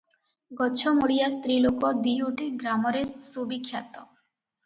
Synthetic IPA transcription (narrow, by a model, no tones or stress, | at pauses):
ɡɔt͡ɕʰɔmoɽijast̪ɾilokɔd̪iuʈiɡɾamɔɾesubikʰjat̪ɔ